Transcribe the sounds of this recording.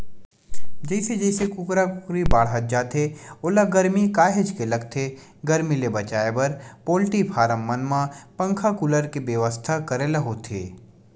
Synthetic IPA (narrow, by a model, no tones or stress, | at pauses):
d͡ʒɛɪsed͡ʒɛːsekʊkɾakʊkɾibaːɽɦət̪̚d͡ʒaːt̪ʰeoːlaɡəɾmikaːɦed͡ʒkelɐɡt̪ʰe | ɡɐɾmilebɐt͡ʃaːebɐɾpoːlʈipʰaːɾəmːənmãpɐ̃ŋkʰakʊləɾkebjəʋəst̪ʰakɐɾelɐɦot̪ʰḛː